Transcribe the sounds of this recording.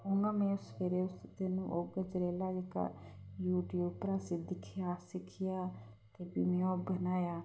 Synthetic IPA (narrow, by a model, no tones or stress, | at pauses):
ʊŋãːmɛ̃ːʊsfeːɾeːʊst̪eːnṵ̃ːʔoːɡəd͡ʒɾeːlaːd͡ʒeka̰ːjuːʈjuːpɾaːsiːd̪ɪkʰːɪjaːsɪkʰɪjaː | t̪eːbiːmɛ̃ːoːbənaːjaː